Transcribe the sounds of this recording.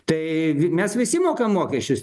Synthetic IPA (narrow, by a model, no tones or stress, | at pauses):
t̪ɐɪʋʲmʲɛsʋʲɪsʲɪmoːkɐmːoːkʲɛʃʲt͡ʃʲʊs